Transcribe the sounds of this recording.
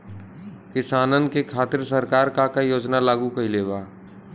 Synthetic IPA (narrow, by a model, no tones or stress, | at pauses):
kɪsaːnənkekʰaːt̪ɪɾsəɾkaːɾkakajoːd͡ʒnalaːɡukəɦileːbaː